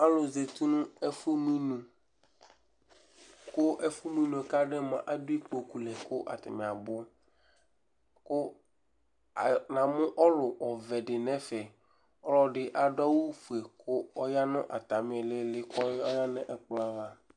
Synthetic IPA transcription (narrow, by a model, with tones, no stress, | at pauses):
a˦lʊ˨ze˨t̪u˦nʊ̃˦ɛ˦fʊ˦mĩ˦nũ˨ | kʊ˦ʔɛ˦fʊ˦mĩ˦nu˨ɛ˨ka˦ɖɛ˦mã˨ʔa˦dʊ˦i˦k͡po˨ku˨lɛ˨kʊ˦ʔa̰˨t̪ɪ̰˨mɪ̃˨a˨bʊ˦ | kʊ˦˨ | nã˨mʊ̃˦ʔɔ˦lʊ˨ʔɔ˨vɛ˨dɪ˨nɛ̃˦fɛ˨ | ɔ˦lɔ˨ɖɪ˨ʔa˨dɔ˦wu˦fu˨e˨kʰʊ˦ɔ˦ja˦nʊ̃˦ʔa̰˨t̪a˨mɪ̃˦˨lɪ˦lɪ˦kɔ˦ja˦nɛ̃˦ʔɛ˨k͡pla˦va˨